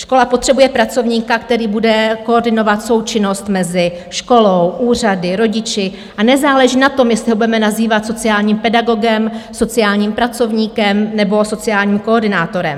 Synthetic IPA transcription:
ʃko̞lapot̪r̥ɛbujɛpɾat͡so̞vɲiːkakt̪ɛɾiːbudɛko̞ːrdɪno̞vat̪so̞wt͡ʃɪno̞st̪mɛzɪ | ʃko̞lowʔuːr̝adɪɾo̞ɟɪt͡ʃɪ | ʔanɛzaːlɛʒiːnat̪o̞mjɛst̪lɪɦobudɛmɛnaziːvat̪so̞t͡sɪaːlɲiːmpɛdaɡo̞ɡɛmso̞t͡sɪjaːlɲiːmpɾat͡so̞vɲiːkɛmnɛbo̞so̞t͡sɪjaːlɲiːmko̞ːrdɪnaːt̪o̞ɾɛ̰m

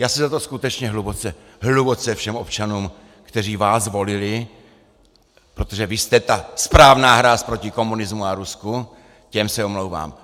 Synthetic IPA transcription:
jaːsɛzat̪o̞skut̪ɛt͡ʃɲɛɦlubot͡sɛ | ɦlubot͡sɛfʃɛmo̞p̚t͡ʃanuːm | kt̪ɛriːvaːzvo̞lɪlɪ | pɾo̞t̪oʒɛvɪst̪ɛt̪aspɾaːvnaːɦɾaspɾo̞cɪko̞munɪzmuaɾusku | cɛmsɛomlowva̰ːm

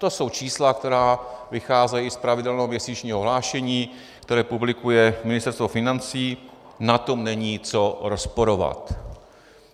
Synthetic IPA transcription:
t̪o̞so̞wt͡ʃiːslak̚t̪ɛɾaːvɪxaːzɛjispɾavɪdɛlnoɦomɲɛsiːt͡ʃɲiːɦoɦlaːʃɛɲiː | kt̪ɛɾɛːpublɪkujɛmɪnɪst̪ɛɾst̪vofɪnant͡siː | nat̪o̞mnɛɲiːt͡so̞ɾospoɾova̰t̪

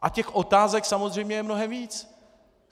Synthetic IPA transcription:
ʔacɛxʔo̞t̪aːzɛksamozr̝ɛjmɲɛjɛmno̞ɦɛmviːt͡s

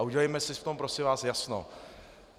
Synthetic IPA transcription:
aʔuɟɛlɛjmɛsɪft̪ompɾosɪvaːsjasno̰

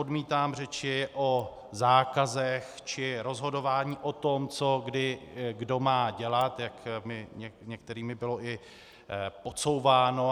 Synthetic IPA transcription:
odmiːt̪aːmr̝ɛt͡ʃɪʔo | zaːkazɛxt͡ʃɪɾo̞zɦo̞do̞vaːɲiːʔo̞t̪o̞mt͡so̞ɡdɪɡdo̞maːɟɛlat̪jakmɪɲɛɲɛk̚t̪ɛɾiːmɪbɪlo̞ʔɪ | po̞t͡so̞wvaːno

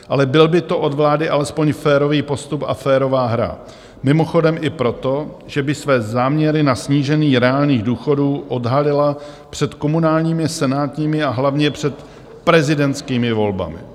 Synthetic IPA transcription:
ʔalɛbɪlbɪt̪o̞ʔo̞dvlaːdɪʔalɛspo̞ɲfɛːɾo̞viːpo̞st̪upa̰fɛːɾo̞vaːɦɾa̰ | mɪmo̞xo̞dɛmʔɪpɾo̞t̪o̞ | ʒɛbɪsvɛːzaːmɲɛɾɪnasɲiːʒɛniːɾɛaːlɲiːɣduːxo̞duːʔo̞dɦalɪla | pr̝̥ɛt̪ko̞munaːlɲiːmɪsɛnaːt̪ɲiːmɪaɦlavɲɛpr̝̥ɛt̪ | pɾɛzɪdɛnt͡skiːmɪvo̞lba̰mɪ̰

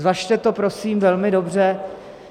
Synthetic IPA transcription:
vaʃt̪ɛt̪o̞pɾo̞siːmvɛlmɪdo̞br̝ɛ

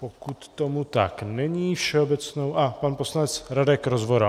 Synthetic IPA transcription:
pokut̪ːomut̪aknɛɲiːfʃɛobɛt͡snowʔapanposlaɲɛt͡sɾadɛkɾozvoɾa

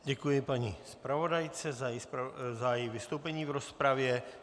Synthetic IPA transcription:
ɟɛkujɪpaɲḭspɾavo̞dajt͡sɛzajɛspzajɛjvɪst̪owpɛɲiːvɾo̞spɾavjɛ

